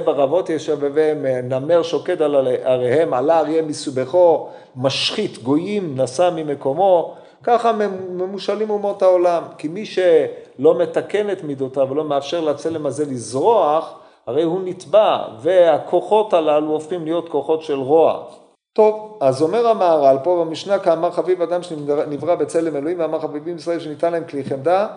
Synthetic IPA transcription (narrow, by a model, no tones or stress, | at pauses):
baʁavo̞t̪jeʃevevemname̞ʁʃo̞kedalaʁehe̞malaʁjemisubeχo̞ | maʃχit̪ɡo̞jimnasamime̞ko̞mo̞ | kaχame̞muʃalimumo̞thaolamkimiʃelo̞me̞t̪ake̞ne̞t̪mid̪otavelo̞meafʃe̞ʁlat͡setlemazelizʁo̞aχ | haʁe̞jhunit̪bave̞akʰo̞χo̞talaluofχimlijo̞t̪ko̞χo̞tʃe̞lʁo̞a̰ | t̪o̞vazo̞me̞ʁamaːʁalpo̞vamiʃnakaːmaʁχavivad̪amʃnivʁabe̞t͡se̞le̞meloimveamaʁχavivimisʁae̞lʃenit̪anlaemkliχemd̪a